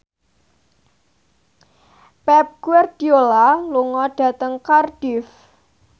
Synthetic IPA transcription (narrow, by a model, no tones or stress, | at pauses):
pɛp̚ɡ̥wɛrd̥iolaluŋɔɖ̥a̤t̪əŋkarɖ̥ɪf